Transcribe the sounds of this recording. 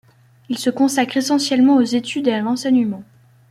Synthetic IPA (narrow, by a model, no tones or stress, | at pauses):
ilsəkɔ̃sakχesɑ̃sjɛlmɑ̃ozet̪ʰyd̪ealɑ̃sɛɲəmɑ̃